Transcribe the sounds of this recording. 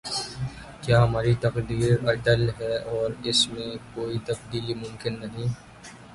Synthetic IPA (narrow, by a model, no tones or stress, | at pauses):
kjaːɦmaːɾit̪ɐqd̪iːɾɐʈəlɦɛːɔːɾɪsmẽkoːit̪ɐbd̪iːlimʊmkɪnːɐɦĩː